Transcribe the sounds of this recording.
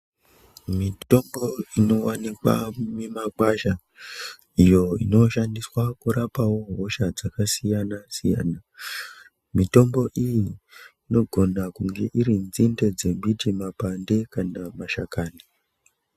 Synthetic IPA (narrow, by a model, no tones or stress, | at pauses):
mito̞mbo̞ino̞wanikwa̰mimakaʃa | ijo̞ḭno̞ʃandiswakuɾapawo̞ɦo̞ʃad͡zakasijanasija̰ːna | mito̞mbo̞ʔijiː | no̞ɡʱo̞nakuŋɡe̞ʔiɾind͡zinde̞d͡ze̞ɓʱid͡ʒimapande̞kanamaʃakaːni